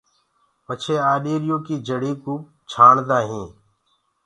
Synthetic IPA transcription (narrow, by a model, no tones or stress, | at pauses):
pət͡ʃʰeːaːɗiːɾɪjõːkiːd͡ʒəɽiːkuː | t͡ʃʰaːɳd̪aːɦẽː